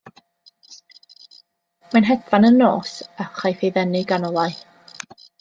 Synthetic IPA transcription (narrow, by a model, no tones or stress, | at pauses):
manɦɛdvanənːo̰ːsaχajθeðɛnɨɡanɔlˠaj